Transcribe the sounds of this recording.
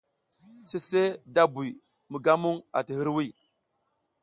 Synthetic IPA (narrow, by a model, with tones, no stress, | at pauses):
se˦se˦da˦bu˨j | mə˨ɡa˦mu˦ŋa̰˨ti˨hɨ˦ɾwi˦˨